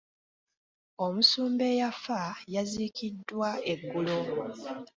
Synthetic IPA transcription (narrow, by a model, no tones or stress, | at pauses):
o̞musuːmbe̞jafajazikidːwae̞ɡːulo